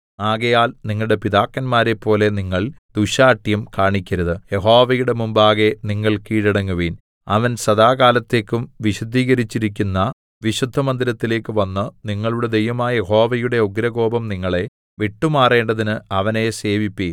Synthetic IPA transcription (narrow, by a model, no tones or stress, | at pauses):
aːɣɐjaːlniŋːɐɭɽe̞piðaːkːɐnmaːɾepːo̞ːle̞niŋːɐɭd̪̥uɕaːʈːjɐmkaːɳikʲːɐɾɐðɨje̞ɦo̞ːʋɐjuɽe̞mumbaːɣe̞niŋːɐɭkiːɽiɽɐŋːuʋiːn | ɐʋɐnsɐðaːɣaːlɐt̪ːe̞ːkːumʋiɕud̪ʱiːɣɐɾit͡ɕːiɾik̬ʲːunːɐ | ʋiɕud̪ʱːɐmɐnd̪iɾɐt̪ːile̞ːkːɨʋɐnːɨniŋːɐɭuɽe̞d̪e̞jʋɐmaːɐjeho̞ːʋɐjuɽe̞oɡɾɐɡo̞ːbɐmniŋːɐɭe̞ | ʋiʈːumaːre̞ːɳɖɐðinɨɐʋɐne̞se̞ːʋipːiːn